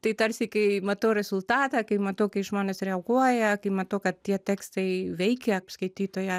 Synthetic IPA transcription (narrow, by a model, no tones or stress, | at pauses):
t̪ɐɪt̪ɐɾʲsʲɪkɐɪmɐt̪ɐʊɾʲɛz̥ʊlˠt̪ɑːt̪ɑːkɐɪmɐt̪ɐʊkɐɪʒmoːnʲɛsɾʲɛɐɡuɔjɛkɐɪmɐt̪ɐʊkɐt̪t̪ʲiɛt̪ʲæːkst̪ɐɪʋʲɛɪkʲɛpskɐɪt̪ʲiːt̪oːjɛ